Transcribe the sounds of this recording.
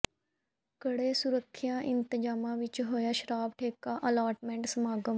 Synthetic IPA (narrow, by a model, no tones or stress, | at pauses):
kəɽeːsʊɾəkʰːɪjãːʔɪnt̪əd͡ʒaːmãːʋɪt͡ʃɦoːjaːʃəɾaːbʈʰeːkaːʔəlaːɾʈmɛ̃ɳʈsəmaːɡəm